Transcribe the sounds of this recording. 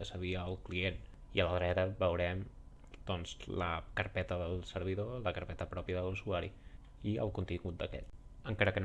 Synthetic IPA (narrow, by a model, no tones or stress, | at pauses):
əsəβiəːlˠklien | iələðɾɛt̪əβəwɾɛm | d̪̥ɔnzlə̰kəɾpɛt̪əðəlˠsəɾβ̞iðoləkəɾpɛt̪əpɾɔpjəðəðlusuaɾi | iə̰lˠkunt̪iŋɡut̪̚d̪əkɛ̰t̪̚əŋkaɾəkən